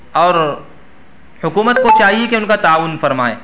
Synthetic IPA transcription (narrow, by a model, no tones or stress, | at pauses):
ɔːɾ | hʊkuːmət̪̚kot͡ʃaːɦiekeʊnkat̪aːʋʊnfɐɾmaːḛː